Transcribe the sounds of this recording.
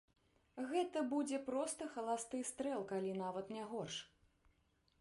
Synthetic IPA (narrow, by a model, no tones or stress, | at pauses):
ɣɛt̪ɐbud͡zʲɛpɾɔst̪ɐxɐlˠast̪ɨst̪ɾɛlˠkalʲinavɐt̪nʲɛɣɔrʂ